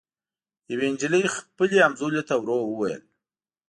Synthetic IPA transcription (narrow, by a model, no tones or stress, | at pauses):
jaweɪnd͡ʒələjxpəleamzolet̪awɾowəwajə̰l